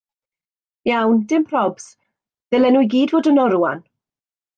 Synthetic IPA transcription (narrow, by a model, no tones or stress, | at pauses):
jawndɪmpʰr̥ɔbs | ðɛlɛnujɡiːdvoːdənɔɾua̰n